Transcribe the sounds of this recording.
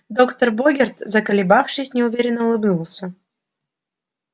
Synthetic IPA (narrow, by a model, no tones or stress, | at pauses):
d̪o̞kt̪ərboɡʲɪrt̪zəkəlʲɪbafʂɨsʲnʲɪʊvʲeɾʲɪnːəʊlˠɨbnulˠsʲə